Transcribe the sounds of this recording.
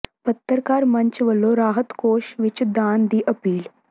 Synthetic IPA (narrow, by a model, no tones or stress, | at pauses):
pət̪ːəɾkaːɾmɐɲt͡ʃʋəlːoɾaːɦət̪koːʃʋɪt͡ʃd̪aːnd̪iːʔəpiːl